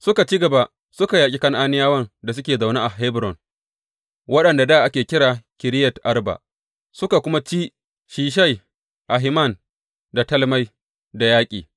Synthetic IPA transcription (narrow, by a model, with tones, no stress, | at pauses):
sʊ˦ka˨t͡ʃi˦ɡɐ˨ba˨ | sʊ˦ka˨jaː˨kʲʼi˦kɐ˦ŋʔaː˦nɪ˦jaː˦wɐ˦nda˨s̬ʊ˦kʲeː˨za˨wna˦ʔa˨ɦe˦bɾɔ˨n | wɐ˦ɗɐ˨nda˨daː˦˨ʔa˦kʲeː˨kʲɪ˦ɾaː˨kʲɪ˨ɾɪ˦jɐ˨tʔa˦rba̰˨ʔ | sʊ˦ka˨kʷʊ˦ma˦t͡ʃiː˦ | ʃiː˦ʃ̬a˦j | ʔa˨ɦɪ˦ma˦˨n | da˨tɐ˦lma˦j | da˨jaː˦kʲʼḭː˨